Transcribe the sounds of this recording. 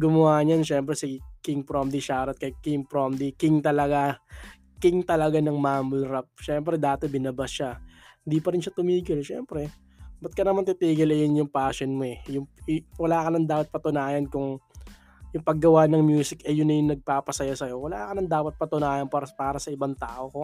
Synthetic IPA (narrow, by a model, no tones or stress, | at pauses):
ɡʊmɐwaːɲanʃɛmpɾɛsɪkɪŋpɾomd̪iʃaːɾɐt̪̚kɐjɪt̪̚kɪŋpɾomd̪ikɪŋt̪ɐlɐɡa | kɪŋt̪ɐlɐɡanɐŋmaːmʊlɾap̚ʃɛmpɾɛd̪aːt̪obɪnɐbasʃahɪnd̪ipɐɾɪnʃat̪ʊmiːɡɪlʃɛ̰ːmpɾɛ | bɐt̪̚kɐnɐmant̪it̪iːɡɪlɛjʊnjʊŋpaːʃɛnmoɛjʊŋwɐlaːkɐnɐnd̪aːpɐt̪̚pɐt̪ʊnaːjɐnkʊŋ | jʊŋpɐɡːɐwanɐŋmjuːsɪkɛjʊnːɐjʊŋnɐɡ̚paːpɐsɐjasɐjo̞wɐla̰ːkɐnɐnd̪aːpɐt̪̚pɐt̪ʊnaːjɐnpapaːɾɐsɐʔɪbaŋt̪aːʔoko